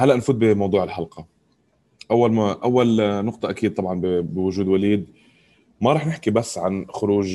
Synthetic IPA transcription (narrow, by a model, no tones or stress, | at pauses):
halːaʔnfuːt̪̚bɪmɑwd̪ˤuːʕɪlħalqɑ | ʔawːalmaʔawːalnʊq̚t̪ˤɑʔakiːd̪̚t̪ˤɑbʕɑnbbɪwʊʒuːd̪waliːd̪̚ | maɾˤɑːħnɪħkibasːʕanxʊɾuːʒ